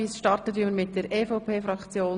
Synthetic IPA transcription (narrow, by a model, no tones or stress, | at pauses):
iːsʃtɑrtətiməɾmɪt̚d̥ɛɾɛːfoʊpʰeːfɾɑkt͡sjoː